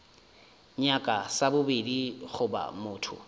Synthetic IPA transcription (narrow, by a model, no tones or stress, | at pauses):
ɲakʼasabʊbediɣʊba̰mʊːtʰʊ̰